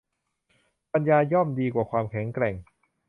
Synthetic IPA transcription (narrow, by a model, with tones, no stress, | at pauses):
pa˧njaː˧jɔ˥˩mdiː˧kwaː˨˩kʰwaː˧mkʰɛ˩˦ŋkɾɛ˨˩ŋ